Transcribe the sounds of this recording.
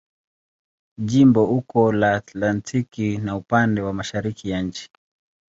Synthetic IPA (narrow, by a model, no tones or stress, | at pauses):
ʄimbɔhukɔlaːt̪lantʰikinaupandɛwamaʃaɾikijaɲ̩t͡ʃi̥